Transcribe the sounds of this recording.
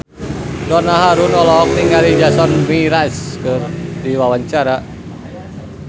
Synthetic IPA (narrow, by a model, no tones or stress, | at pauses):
dɔnaɦaɾunɔlɔk̚niŋɡalid͡ʒasɔnmiɾaskɨrdiwawaɲt͡ʃaɾa